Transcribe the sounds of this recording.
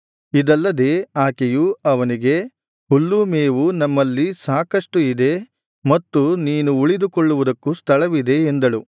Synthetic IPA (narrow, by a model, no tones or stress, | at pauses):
id̪ɐlːɐd̪e̞ːaːkejuɐʋɐniɡe̞ | ulːumeːʋunɐmːɐlːisaːkɐʂʈuid̪e̞ | mɐt̪ːuniːnuuɭid̪ukoɭːuʋud̪ɐkːust̪ʰɐɭɐʋid̪e̞ːnd̪ɐɭu